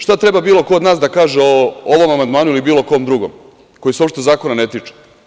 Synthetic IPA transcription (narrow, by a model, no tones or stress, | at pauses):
ʃt̪at̪ɾe̞babiːlˠo̞kood̪naːsd̪akaːʒeooʋo̞mamand̪maːnuilibiːlˠo̞ko̞md̪ɾuɡom | ko̞jiseopʃt̪eozaːko̞nane̞t̪it͡ʃe̥